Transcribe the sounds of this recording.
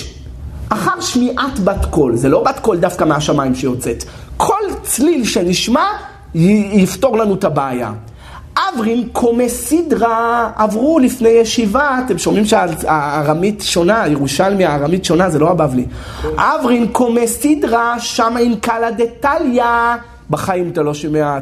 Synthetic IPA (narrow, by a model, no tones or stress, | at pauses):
ʔaχaʁʃmiʔatbat̪ko̞lzelo̞batko̞ldafkameaʃamajimʃejo̞t͡se̞t̪ | kʰo̞lt͡slilʃe̞niʃma | jifto̞ʁlanut̪abaːja̰ | ʔavʁinkʰo̞mesidʁaavʁulifne̞jeʃivatemʃo̞mimʃealaʁamitʃo̞najeʁuʃalmiaːʁamitʃo̞nazelo̞abavliʔavʁinkʰo̞mesidʁaʃamainkaladetalja | baχaimt̪alo̞ʃimea